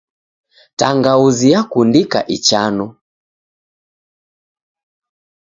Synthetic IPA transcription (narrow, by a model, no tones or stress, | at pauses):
taŋɡauzijakundika̰ʔit͡ʃanu